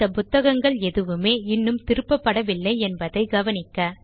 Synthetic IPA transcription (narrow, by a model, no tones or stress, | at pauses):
ɐpʊt̪ːɐɣɐŋɡɐɭɛðɯʋɯmeːɪnːɯmt̪ɪɾɯpːɐpːɐɽɐʋɪlːɐɪɛnbɐðɐɪɡɐʋɐnɪkːɐ